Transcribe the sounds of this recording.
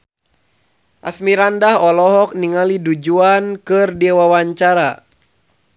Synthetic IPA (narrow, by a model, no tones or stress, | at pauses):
ʔasmiɾandahɔlɔɦɔk̚niŋalidud͡ʒuankɨrdiawawaɲt͡ʃaɾa